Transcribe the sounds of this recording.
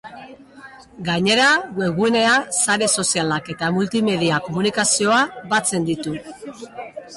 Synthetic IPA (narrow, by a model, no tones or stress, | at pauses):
ɡaɲe̞ɾaɣe̞ɣuene̞asaɾe̞so̞sialake̞t̪amult̪ime̞ðiako̞munikasio̞aβat͡se̞nd̪it̪u